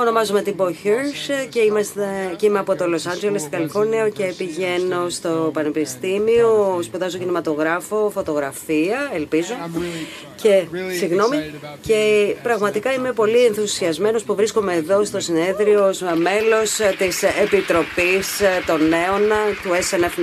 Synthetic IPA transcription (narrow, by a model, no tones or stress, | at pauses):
o̞no̞mɐzume̞t̪iboçeɾsceimɐsecimeɐpo̞t̪o̞lo̞sɐnd͡ʒe̞lest̪iɡɐlifo̞ɾnioce̞piʝe̞no̞st̪opɐnepist̪imio̞spuðɐzocinimɐt̪o̞ɣɾɐfo̞fo̞t̪o̞ɣɾɐfiɐelpizu | ce̞siɣno̞mice̞pɾɐɣmɐt̪ikɐime̞po̞lienθusiɐzme̞no̞spuvɾisko̞me̞ːðo̞st̪o̞sine̞ðɾiozme̞lo̞st̪isepit̪ɾo̞pist̪o̞ne̞ont̪uesenef